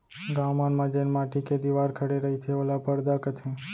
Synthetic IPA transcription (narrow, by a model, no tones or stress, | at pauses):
ɡamaːnmãd͡ʒenmaːʈiked̪iʋaɾkʰəɽeɾəɦit̪ʰeolapəɾd̪akət̪ʰẽ